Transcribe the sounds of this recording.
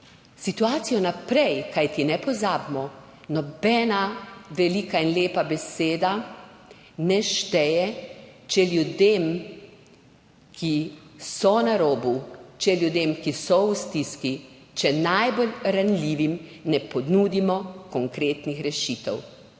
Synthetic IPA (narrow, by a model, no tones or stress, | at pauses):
sit̪uaːt̪sijɔnapɾɛjkajt̪inɛpɔzaːbmɔ | nɔbɛːnaʋɛlikainleːpabɛseːd̪a | nɛʃt̪ɛjɛt͡ʃɛljud̪em | kʰisɔnaɾoːbut͡ʃɛljud̪eːmkisɔwust̪iski | t͡ʃɛnajbolɾanlʲiːʋimnɛpɔnuːd̪imɔkɔŋkɾeːt̪nixɾɛʃiːt̪ɛw